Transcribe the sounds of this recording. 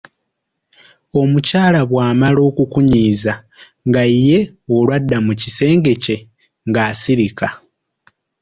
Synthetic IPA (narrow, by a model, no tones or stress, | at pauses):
o̞mucaːlaβwaːmalo̞ːkukuɲiːza | ŋɡajje̞ | olwadːamucise̞ːŋɡe̞ce̞ | ŋɡaːsiɾika